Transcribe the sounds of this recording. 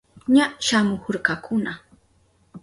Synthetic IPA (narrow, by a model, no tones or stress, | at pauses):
ɲaʃamʊhʊɾkakʰʊna